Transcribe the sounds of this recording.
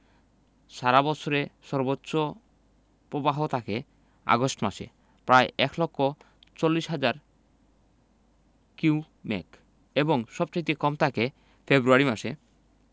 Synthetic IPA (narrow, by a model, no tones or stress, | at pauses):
ʃaɾabɔt͡ɕʰoɾeʃɔɾbotːɕo | pɾobaɦot̪ʰake | a̰ɡosʈmaʃḛ | pɾaeʔɛklɔkʰːo | t͡ɕolːiʃɦad͡ʑaɾ | kiu | mɛ̰k | eboŋʃɔb̚t͡ɕajt̪ekɔmt̪ʰake | febɾuaɾimaʃe